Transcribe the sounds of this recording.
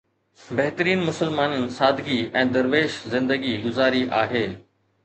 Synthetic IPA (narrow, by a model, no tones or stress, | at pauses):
bɐɦt̪əɾiːnmʊsəlmaːnənɪ̆saːd̪ɡiɛ̃ːd̪ɐɾʋeːʃzɪ̃nd̪əɡiɡʊzaːɾiʔaːɦeː